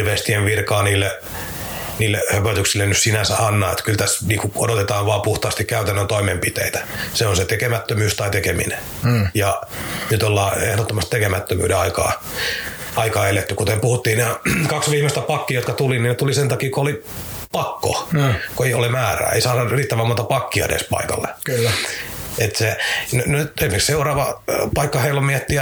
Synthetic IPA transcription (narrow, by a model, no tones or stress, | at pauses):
ʋest̪ieʋʋirkɑːniːlːe | niːlːehøpøt̪yksilːenyssinænsæɑnːɑːḛt̪kylt̪æsniːŋkuodot̪et̪ɑːʋʋɑːpuht̪ɑːst̪ikkæyt̪ænːønt̪oimempit̪ḛit̪æ̥seonset̪ekemæt̪ːømyːst̪ɑit̪ekemḭne | jɑnyt̪olːɑːḛhɾot̪ːomɑst̪ekemæt̪ːømy̰ːdeɑikɑ̰ː | ɑikɑːelet̪ːykut̪empuhut̪ːiːneɑkɑksʋiːhmest̪æpɑkːiɑjot̪kɑt̪uliniːnet̪ulisent̪ɑkiːkooli | pɑkːo̰koeiolemæːræ̰ːḛisɑːnɑriːt̪ːæʋæmːuːt̪ɑpɑkːiɑ̰nḛspɑ̰ikɑ̰lːḛkylː | et̪sennyt̪esimeksseurɑːʋɑpɑikːɑheilːommiet̪ːi